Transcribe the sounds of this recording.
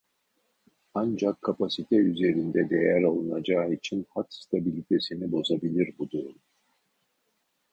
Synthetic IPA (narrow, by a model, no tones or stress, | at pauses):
and͡ʒakʰːapʰasit̪ʰɛyze̞ɾind̪ɛd̪ejæɾolˠunad͡ʒaːit͡ʃʰinhat͡ʃst̪ʰabilʲit̪ʰe̞sinibo̞zabilʲiɾbud̪uɾum